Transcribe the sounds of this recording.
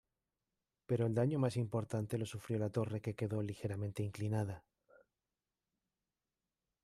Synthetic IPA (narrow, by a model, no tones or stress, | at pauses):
pe̞ɾo̞eld̪aɲo̞masimpo̞ɾt̪ant̪e̞lo̞sufɾjo̞lat̪o̞re̞ke̞ke̞ðo̞lixe̞ɾamẽ̞nt̪e̞iŋklinað̞a